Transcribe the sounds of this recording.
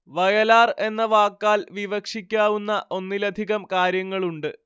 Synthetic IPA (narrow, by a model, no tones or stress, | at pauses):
ʋɐjɐlaːre̞nːɐʋaːkːaːlʋiʋɐkʂikʲːaːʋunːɐʔo̞nːilɐd̪ʱiɣɐmkaːɾjɐŋːɐɭuɳɖɨ